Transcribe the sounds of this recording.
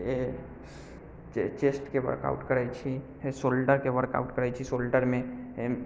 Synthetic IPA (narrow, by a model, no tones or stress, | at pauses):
e | t͡ʃesʈkeʋə̰ɾka̰ʊʈkəɾajt͡ʃʰi | esolɖəɾkeʋəɾka̰ʊʈkəɾajt͡ʃʰisoːlɖəɾmẽ